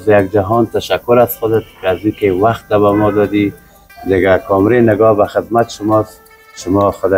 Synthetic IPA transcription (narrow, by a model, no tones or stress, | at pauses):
zjaɡd͡ʒaɦɔnt̪aʃakʊɾazxʊd̪ɪt̪̚kazikewaxt̪̚ːabamɔd̪ɔd̪i | d̪ɪɡakɔmɾenɪɡɔbaxɪd̪mat̪ʃʊmɔs | ʃʊmɔxʊd̪a